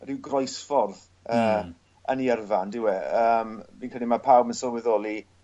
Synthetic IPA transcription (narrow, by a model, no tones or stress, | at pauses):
rɪwɡrɔjsfɔrð | əː | əniɛrvandɪwɛəːmviːnkʰɛlˠimapʰawbmənsɔlwɛðɔlˠi